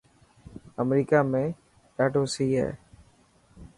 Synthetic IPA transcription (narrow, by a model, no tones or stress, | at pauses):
əmɾiːkaːmẽː | ɖaːɖoːsiːɦɛ̰ː